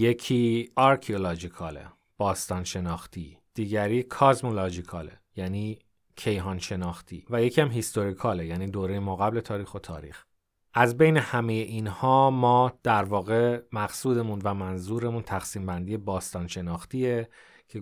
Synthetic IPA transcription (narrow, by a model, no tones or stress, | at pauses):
je̞cʰiːɒɾkʰiolɒd͡ʒikʰɒːlḛ | b̥ɒːst̪ɒːnʃe̞nɒːxt̪ʰiːd̪̥iːɟæɾiːkʰɒzmolod͡ʒikʰɒːlḛjæniː | cʰe̞jɦɒːnʃe̞nɒːxt̪ʰiːvæje̞cʰiːæmɦist̪ʰo̞ɾikʰɒːlejæniːd̪oːɾe̞jemoɣæble̞t̪ʰɒːɾiːxot̪ʰɒ̰ːɾḭːx | ʔæzbe̞jnehæmeje̞ʔiːnhɒːmɒːd̪̥æɾvɒːɣe̞mæɣsuːd̪e̞munvæmænzuːɾe̞munt̪ʰæxsiːmbænd̪iːjebɒːst̪ɒːnʃe̞nɒːxt̪iːe | cʰe